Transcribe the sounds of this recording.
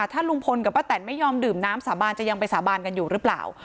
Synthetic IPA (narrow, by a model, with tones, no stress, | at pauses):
t̪ʰaː˥˩lu˧ŋpʰo˧nka˨˩waː˥˩t̪ɛ˨˩nma˥˩jɔː˧mdɯː˨˩mnaː˦˥msaː˩˦baː˧nt͡ɕa˨˩ja˧ŋpa˧jsaː˩˦baː˧nka˧njuː˨˩ɾɯː˦˥pla̰ː˨˩w